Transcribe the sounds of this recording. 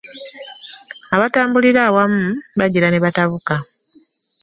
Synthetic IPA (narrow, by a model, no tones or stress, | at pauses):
aβataːmbuliɾaːwamuβaɟiɾaneβataβuka